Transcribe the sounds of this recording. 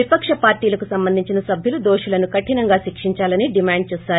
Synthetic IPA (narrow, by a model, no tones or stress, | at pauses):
ipɐkʂɐpaːɾʈiːlɐkusɐmbɐnd̪iɲt͡ʃinɐsɐbʱjulud̪oːʂulɐnukɐʈinɐŋɡaːʃikʂiɲt͡ʃaːlɐniɖimaːɳɖ̚t͡ʃɛːsaːɾu